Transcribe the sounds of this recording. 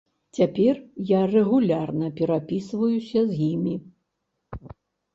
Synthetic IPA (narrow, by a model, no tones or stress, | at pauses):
t͡sʲapʲɛrjarɛɣulʲarnɐpʲɛɾapʲisvɐjusʲɐzjimʲi